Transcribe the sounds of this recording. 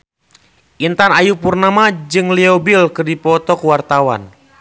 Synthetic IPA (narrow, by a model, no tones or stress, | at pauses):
ʔint̪anajupurnamad͡ʒɨŋliobilkɨrdipɔt̪ɔkwart̪awa̰n